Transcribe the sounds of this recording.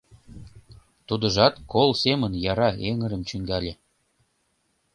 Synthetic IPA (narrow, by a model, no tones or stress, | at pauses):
t̪ud̪ə̆ʒɑt̪kolˠsemənjɑɾɑeŋə̆ɾə̆mt͡ɕyŋɡælʲe